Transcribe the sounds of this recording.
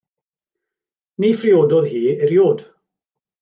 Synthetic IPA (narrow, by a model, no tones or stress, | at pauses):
niːfrɪodɔðhiːɪɾjoːd̥